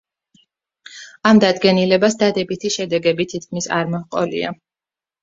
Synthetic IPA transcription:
amd̪ad̪ɡɛnilɛbasd̪ad̪ɛbit̪ʰiʃɛd̪ɛɡɛbit̪ʰit̪̚kʰmisa̰ɾmɔhqʼɔ̰lḭa̰

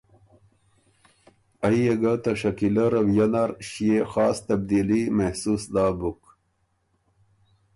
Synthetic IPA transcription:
ɐijeɡat̪ɐʂɐkilɐɾɐwjɐnaɾɕiexaːst̪ɐb̚d̪ilimɐhsusd̪aːbuk

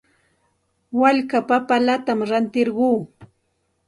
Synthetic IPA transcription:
waʎkapapalat̪amɾant̪ɪɾɢuː

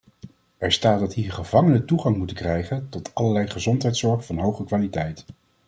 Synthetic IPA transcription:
ɛɹstaːt̚dɑtɦiːɹχəvɑŋənətuχɑŋmutəkrɛjχəntɔtʰɑlɐɹlɛjχəzɔntɦɛjtsɔɹχfɑnɦowχəkʋaːlitɛjt

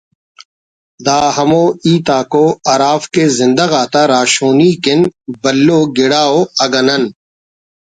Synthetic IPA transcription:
d̪aːɦɐmoːiːt̪aːkoːɐɾaːfkezɪ̃nd̪ɐɣaːt̪aɾaːʃoːniːkɪnbɐlːoːɡɪɽaːoːɐɡɐnɐn

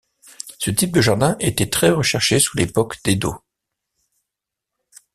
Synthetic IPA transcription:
sət̪ip̚d̪əʒaʁd̪ɛ̃ʔet̪ɛt̪χɛʁəʃɛʁʃesu̥lepɔkd̪̥ed̪o̰

